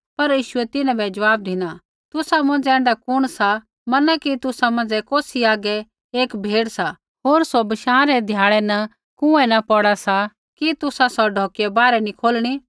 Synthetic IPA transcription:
pɐɾjiːʃʊɛt̪ɪnãbɛd͡ʒɐʋaːb̚d̪ɪna | t̪ʊsamɐ̃nd͡ʒɛ̃ːnd̪akʊɽ̃sa | mɐnakit̪ʊsamɐ̃nd͡zɛkoːsiaːɡɛ | eːkbʱeːɽsa | ɦoːɾsobɪʃãːɾɛd̪ʱjaːɭɛnɐ | kʊ̃ɛnɐpɔɽasa | kit̪ʊsasɔɖʱɔːkiɛbaːɾɛnikʰoːlɽ̃i

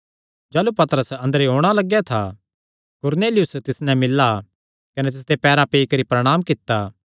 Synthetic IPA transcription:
d͡ʒaːlupɐt̪əɾəsɐ̃nd̪əɾeɦoːɽ̃alɐɡːjat̪ʰa | kʊɾneːlɪjʊst̪ɪsnɛ̃mɪlːa | kɐnet̪̬ɪs̬d̪epɛːɾapeːikɐɾipɾɐɽ̃aːmkɪt̪ːa

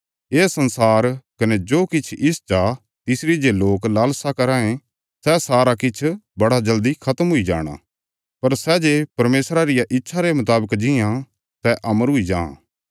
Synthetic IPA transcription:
eːsɐnsaːɾkɐned͡ʒoːkɪt͡ʃʰɪst͡ʃaː | t̪ɪsɾid͡ʒeloːklaːlsakɐɾãːẽ | sɛsaːɾakɪt͡ʃʰbɐɽad͡ʒɐld̪ikʰɐt̪əmɦʊid͡ʒa̰ːɽ̃a̰ː | pɐɾsɛd͡ʒepɐɾmeːsɾaɾɪjaʔɪtːʃʰaɾemʊt̪aːbəkd͡ʒɪjã | sɛʔɐməɾɦʊid͡ʒã̰ː

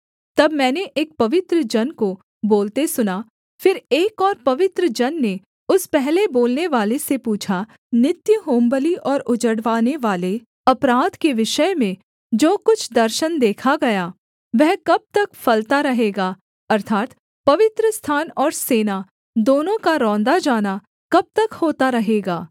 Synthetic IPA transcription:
t̪ɐbmɛ̃ːneʔeːk̚pɐʋɪt̪ɾəd͡ʒɐnko | boːlt̪esʊna | fɪɾeːkɔːɾpɐʋɪt̪ɾəd͡ʒɐnːe | ʊspɛɦleboːlneʋaːlesepuːt͡ʃʰa | nɪt̪jəɦoːmbəliʔɔːɾʊd͡ʒəɽʋaːneʋaːle | ɐpɾaːd̪keʋɪʃəjmẽ | d͡ʒoːkʊt͡ʃʰd̪ɐɾʃənd̪eːkʰaɡɐja | ʋɛɦkɐb̚t̪ɐkfɐlt̪aɾɐɦeːɡaː | ɐɾt̪ʰaːt̪ | pɐʋɪt̪ɾəst̪ʰaːnɔːɾseːna | d̪oːnõkaɾɔ̃ːnd̪ad͡ʒaːna | kɐb̚t̪ɐkhoːt̪aɾɐɦeːɡaː

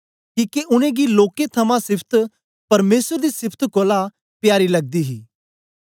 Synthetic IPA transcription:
kiːkeʔʊñẽɡiloːket̪ʰɐmãsɪpʰt̪ʰ | pɐɾmeːsəɾd̪isɪpʰt̪ʰkoːla | pɪjaːɾilɐɡ̚d̪iːɦiː

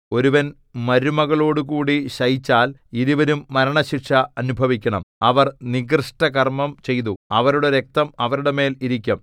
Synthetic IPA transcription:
o̞ɾuʋɐn | mɐɾumɐɣɐɭo̞ːɽukuːɽiɕɐjit͡ɕːaːliðuʋɐɾumːɐɾɐɳɐɕiʈʂɐɐnubʱɐʋikʲːɐɳɐmɐʋɐrniɡrɨʂʈɐkɐrmɐmt͡ɕe̞jt̪̬uɐʋɐɾuɽeɾe̞k̚t̪ɐmɐʋɐɾuɽeme̞ːliɾikʲːɐm

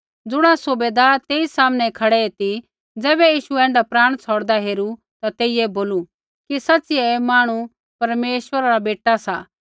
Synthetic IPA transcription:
d͡zʊɽ̃asʊbeːd̪aːɾt̪eːisaːmnɛkʰɐɽɛet̪i | d͡zɛːbɛjiːʃuɛ̃ːɳɖapɾaːɽ̃t͡sʰɔːɽd̪aɦeːɾu | t̪at̪eːiɛboːlu | kisɐːsiɛmaːɽ̃u | pɐɾmeːʃwəɾaɾabeːʈasa

